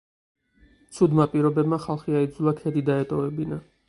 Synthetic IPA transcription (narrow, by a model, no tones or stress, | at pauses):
t̪sʰud̪mapʼiɾɔbɛbmaχalˠχiaid̪zulˠakʰɛd̪id̪aɛt̪ʼɔvɛbina